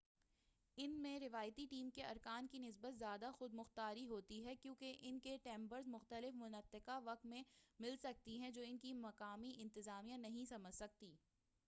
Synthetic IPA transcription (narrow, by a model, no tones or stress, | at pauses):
ɪnmẽɾɪʋaːjt̪iʈiːmkeɐɾkaːnkinɪs̬bət̪zjaːd̪axʊd̪̚mʊxt̪aːɾiɦoːt̪iɦɛkjũːkeʔɪnkeʈɛ̃ːmbəɾzmʊxt̪əlɪfmʊnət̪ːɪkaʋɐk̚t̪mẽmɪlsɐk̚t̪iɦɛ̃d͡ʒoːɪnkimɐkaːmiɪ̃nt̪ɪzaːmijãnɐɦĩsɐməd͡ʒsɐk̚t̪iː